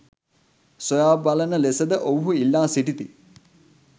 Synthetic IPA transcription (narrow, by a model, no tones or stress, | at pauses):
sojaːbalənəlesəd̪əʔowuɦuilːaːsiʈit̪i